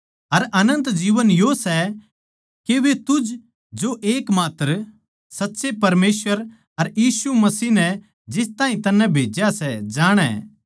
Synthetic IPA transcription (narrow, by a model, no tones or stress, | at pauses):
ɐɾɐnə̃nt̪d͡ʒiːʋənjosɛ | keʋet̪ʊd͡ʒ | d͡ʒoʔeːkmaːt̪əɾ | sɐtːʃepɐɾmeːsʋəɾ | ɐɾjiːsumɐsiːnɛ | d͡ʒɪst̪aːɦĩt̪ɐnːɛ̃bʱeːd͡ʒjasɛd͡ʒaːɽ̃ɛ̰ː